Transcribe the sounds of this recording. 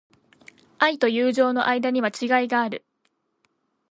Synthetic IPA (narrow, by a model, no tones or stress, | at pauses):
ait̪o̞jɯːʑo̞ːno̞̰ʔaid̪aɲ̟iβat͡ɕiɡaiɡaːɾɯ̟